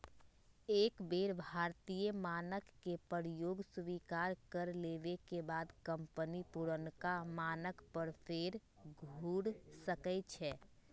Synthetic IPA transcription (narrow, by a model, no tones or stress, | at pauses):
eːkbeːɾbʱaːɾt̪ijəmaːnəkːepəɾjoːɡsʋikaːɾkəɾleʋekebaːd̪kə̃mpənipuɾənkamaːnəkpəɾpʰeɾ | ɡʱuːɽsəkɛt͡ʃʰɛ